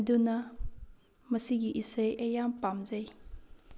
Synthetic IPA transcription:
dunɐ | mɐsiɡiʔisɐjʔɐjampamzɐj

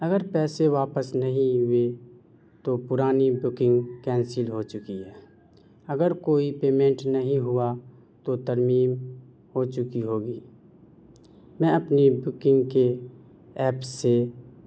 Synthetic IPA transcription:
ɐɡəɾpɛːseʋaːpəsnɐɦĩʊwe | t̪opʊɾaːnibʊkɪ̃ŋɡkɛ̃ːnsɪlɦot͡ʃʊkiɦɛː | ɐɡəɾkoːipeːmẽɳʈnɐɦĩɦʊa | t̪ot̪əɾmiːm | hot͡ʃʊkiɦoːɡiː | mɛ̃ɐpnibʊkɪ̃ŋɡke | ɛːpse

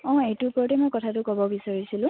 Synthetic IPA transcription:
ɔ̃ejtupɔɹtɛmɔjkɔtʰatʊkɔbɔbisaɹisilʊ̃

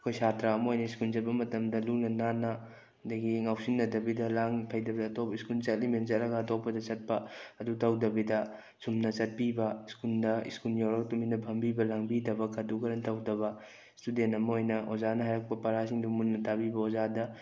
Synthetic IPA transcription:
kʰojsatɾaːmɐojnɐiskuld͡ʒɐt̚bɐmɐtɐmdɐlunɐnanɐ | dɐɡiŋawsinːɐdɐbidɐlaŋpʰɐjdɐbidɐtopɐiskult͡ʃɐtliment͡ʃɐtɾɐɡɐːtopːɐdɐt͡ʃɐt̚pɐɐdutɐwdɐbidɐ | sumnɐt͡ʃɐt̚pibɐiskuldɐḭskuljawɾɐk̚tuminɐbʱɐmbibɐlaŋbidɐbɐkʰɐdukɐɾɐntɐwdɐβɐ | istudentɐmɐojnɐʔozanɐɦaɾɐk̚pɐpɐɾasiŋdumunːɐtabibɐozadɐ

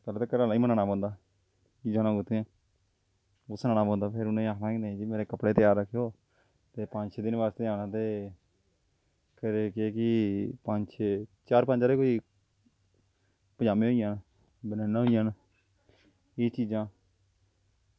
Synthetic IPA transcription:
kəlt̪eːkəɾaːlaːiːmənãːnãːpɔ̃ːnd̪aː | t͡ʃiːd͡ʒãːnaːɡʊt̪ʰːeãː | ʊsnaːnaːpɔ̃ːnd̪aːpʰɪɾʊnẽaːknãːĩned͡ʒemeːɾeːkəpɽeːt̪jaːɾːəkʰːeoː | t̪eːpə̃ɲt͡ʃːd̪ɪnʋaːst̪eːaːnãːt̪eː | kəɾeːkeːkɪpəɲt͡ʃet͡ʃaːɾpə̃nt͡ʃaːɾeːkoːiː | pəd͡ʒaːmĩːɦoːijãːn | bənɛːnaːɦoːijãːn | eːt͡ʃiːzãː

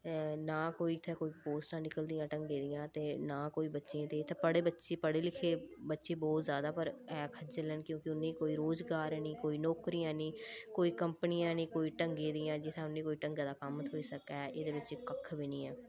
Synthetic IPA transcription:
nãːkoːiːɪt̪ʰeːkoːiːpoːsʈãːnɪkəld̪ijãːʈəŋɡẽːd̪ɪjãːt̪eːnãːkoːiːbətːʃeãːt̪eːɪt̪ʰːepəɽeːbətːʃeːpəɽeːlɪkʰeːbətːʃeːbɔːt̪zjaːd̪aːpəɾɛːkʰət͡ʃələnkjõːkɪʊnːẽːkoːiːɾoːzɡaːɾnĩːkoːiːnɔːkɾijãːnĩːkoːiːkəmpnijãːnĩːkoːiːʈəŋɡẽːd̪ɪjãːd͡ʒɪt̪ʰẽʊnːẽːkoːiːʈəŋɡaːd̪aːkəmət̪ɦoːiːsəkɛːʔeːd̪eːbətːt͡ʃeːkəkʰːbiːnĩːɛː

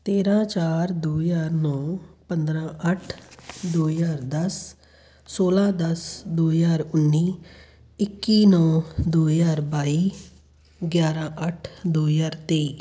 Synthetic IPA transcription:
t̪eːɾãːt͡ʃaːɾd̪oːjaːɾnɔːpənd̪ɾãːʔəʈʰd̪oːjaːɾd̪əsː | oːlãːd̪əsd̪oːjaːɾʊnːiː | ɪkːiːnɔːd̪oːjaːɾbaːiː | ɡjaːɾãːʔəʈʰd̪oːjaːɾt̪eː

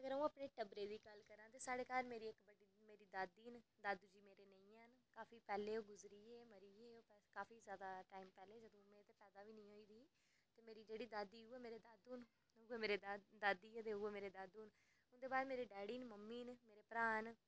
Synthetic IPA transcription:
əɡəɾəũːaːpneːʈəbɾeːd̪iːkəlkəɾãːt̪eːsaːɽeːkaːɾmeːɾiːɪkbəɖiːmeːɾiːd̪aːd̪iːnd̪ad̪d͡ʒiːmeːɾeːnəĩːnkaːfiːpɛːleːoːɡʊzɾiːeːməɾiːeːoːpːkaːfʰiːzjaːd̪aːʈaːiːmpɛːleːd͡ʒəd̪õːmẽːt̪eːpɛːd̪aːʋiːnĩːoːiːd̪iː | t̪eːmeːɾiːd͡ʒeːɽiːd̪aːd̪iːuːeːmeːɾeːd̪aːd̪uːn | uːeːmeːɾeːd̪ad̪iːet̪eːuːeːmeːɾeːd̪aːd̪uːn | ʊnd̪eːbaːd̪meːɾeːɖɛːɽiːnməmːiːnmeːɾeːpɾaːn

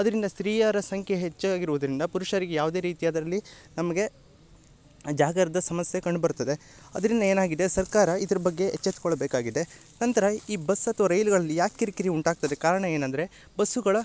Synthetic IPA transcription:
ɐd̪ɐɾind̪ɐst̪ɾiːjaːɾɐsɐŋkʰeɦet͡ʃːɐaːɡiɾuʋɐd̪ɐɾind̪ɐpuɾuʃɐɾiɡejaːʋd̪e̞ːɾiːt̪ijaːd̪ɐɾɐlːinɐmɐɡe̞ | d͡ʒaːɡɐɾɐd̪ɐsɐmɐsjekɐɳɖbɐɾut̪ːɐd̪e̞ | ɐd̪ɐɾind̪ɐe̞ːnaːɡid̪e̞sɐɾkaːɾɐid̪ɐɾɐbɐɡːe̞ːt͡ʃːet̪kɔɭɐbeːkaːɡid̪e̞ | nɐnt̪ɐɾɐiːbɐsːɐt̪ʋɐɾɐjluɡɐɭɐlːijaːkːiɾikiɾiuɳʈaːɡ̚t̪ɐd̪ekaːɾɐɳɐe̞ːnɐnd̪ɾe̞ | bɐsːuɡɐɭɐ

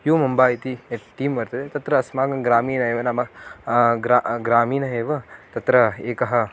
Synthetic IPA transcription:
joːmɐmbaːjit̪ieʈːiːmʋɐɾt̪ɐd̪et̪ɐt̪ɾɐːsmaːɡɐnɡɾaːmiːnɐɦeːʋɐnɐmɐ | ɡɾaɡɾaːmiːnɐɦeːʋɐt̪ɐt̪ɾɐeːkɐɦɐ̆

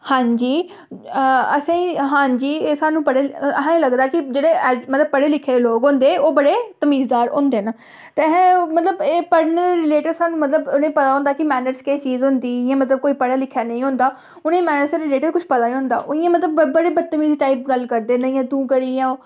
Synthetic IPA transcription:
hãːɲd͡ʒiː | əsãːĩːɦãːd͡ʒiːesaːnũːpəɽeːəɦãːĩːləɡd̪aːkɪd͡ʒeːɽeːmət̪ləb̚pːəɽeːlɪkʰːeːloːɡɦõːnd̪eːoːbəɽeːt̪əmiːzd̪aːɾõ̰ːnd̪eːnaː | t̪eɦɛ̃ːmət̪ləbeːpəɽnəɾɾɪleːʈəɾsaːnũːmət̪ləbʊnẽːpət̪aːɦʊ̃ːnd̪aːkɪmɛːnəɾskeːt͡ʃiːzɦʊ̃nd̪iːɪjãːmət̪ləb̚koːiːpəɽaːlɪkʰːjaːnə̃ĩːɦʊ̃ːnd̪aː | ʊnẽːmɛːnəɾsɾɪleːʈəɾkʊt͡ʃʰpət̪aːĩːɦʊ̃nd̪a̰ːʔʊĩãːmət̪ləbəːəɽeːbət̪ːəmiːziːʈaːiːp̚ɡəlkəɾd̪eːnəɪjãːt̪ũːkəɾiãː

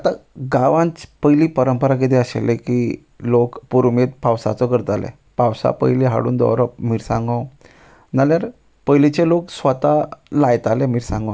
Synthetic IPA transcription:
at̪aɡaʋãnt͡spəjliːpəɾəmpəɾak̬et̪eəɕḛleki | lokpuɾmet̪̚pawsa̰t͡sɔkəɾt̪alḛ | pawsa̰pə̰jliɦa̰ɽṵːnd̪ɔ̰wɾɔpmiɾsãŋɡɔ̃w | naljaɾ | pəjlit͡ɕeloksʋət̪alajt̪alemiɾsãŋɡɔ

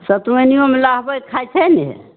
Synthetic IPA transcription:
sət̪enijomelaɦbəjkʰajt͡ʃʰɛnḭ

